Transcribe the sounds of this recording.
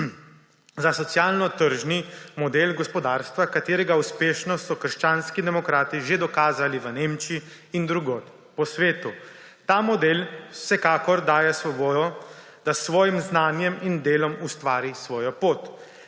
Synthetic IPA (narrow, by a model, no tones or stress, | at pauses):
zasɔt̪sjaːlnɔt̪əɾʒnimɔd̪eːlɡɔspɔd̪aːɾst̪ʋakat̪eːɾɛɡauspeːʃnɔsɔkəɾʃt͡ʃaːnskid̪ɛmɔkɾaːt̪iʒed̪ɔkaːzaliʋəneːmt͡ʃiː | nd̪ɾuɡoːt̪ | pɔsʋeːt̪u | t̪aːmɔd̪eːlsɛkaːkɔɾd̪aːjɛsʋɔboːd̪ɔ | d̪̥asʋɔːjimznaːnjɛmind̪eːlɔmust̪ʋaːɾisʋɔːjɔpoːt̪